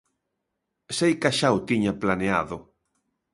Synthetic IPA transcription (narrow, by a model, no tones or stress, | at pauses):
sejkaʃawt̪iɲaplanea̰ðʊ